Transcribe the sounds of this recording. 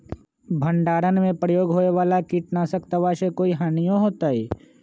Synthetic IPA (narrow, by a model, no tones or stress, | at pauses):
bʱə̃ɳɖaːɾənmẽpɾəjoːɡɦoːeʋaːlakiːʈnasəkt̪aʋaːʃekoːiɦaːnijõɦoːt̪aːɦiː